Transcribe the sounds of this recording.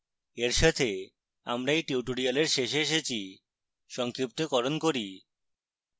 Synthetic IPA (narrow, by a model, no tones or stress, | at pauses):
eɾʃat̪ʰe | a̰mɾaeʈiuʈoɽialeɾʃeʃeʃet͡ɕʰi | ʃɔŋkɾip̚t̪okɔɾonkoɾi